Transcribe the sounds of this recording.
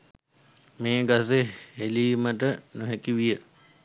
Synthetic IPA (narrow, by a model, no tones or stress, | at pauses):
meːɡas̬eɦeliːməʈənuɦekiʋijə